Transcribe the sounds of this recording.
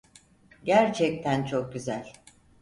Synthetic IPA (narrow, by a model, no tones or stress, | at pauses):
ɟæɾt͡ʃʰɛc̚t̪ʰænt͡ʃʰo̞k̚ɟyzælʲ